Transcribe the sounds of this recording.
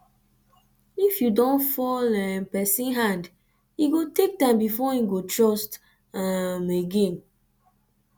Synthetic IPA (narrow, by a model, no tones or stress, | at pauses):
ifjudɔ̃nfɔlɛnpɛsĩnɦãnd | iɡotek̚tãɪ̃mbifɔĩɡotɹɔst | ameɡẽn